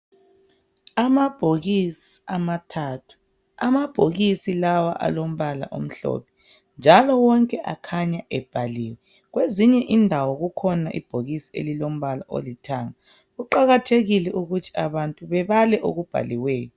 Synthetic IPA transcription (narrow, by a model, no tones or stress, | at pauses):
amab̥ʱoɣisiamatʰatʰu̥ | amab̥ʱoɣisilawa̰ʔa̰lom̩βala̰ʔo̰m̩ɬɔ̰pʰɛ̥ | nd͡ʒʱalɔwɔŋkʼɛʔa̰kʰaɲaʔɛb̥ʱaliːwɛ | ɣweziɲɛʔindʱawɔɣukʰɔnaʔḭb̥ʱoɣisi̥ḛlilom̩βalaʔo̰litʰaːŋa | ɣuǃaɣatʰeɣilɛʔuɣutʰi̥aβantʼuβɛβalɛʔoɣub̥ʱa̰liwɛːjɔ